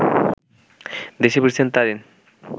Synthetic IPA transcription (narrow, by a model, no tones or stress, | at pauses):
d̪eʃepiɾsʰent̪aɾin